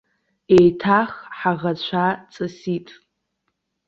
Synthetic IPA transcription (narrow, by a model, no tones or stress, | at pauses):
ejtʰaχħaʁat͡ɕʷʰat͡sʼɨsitʼ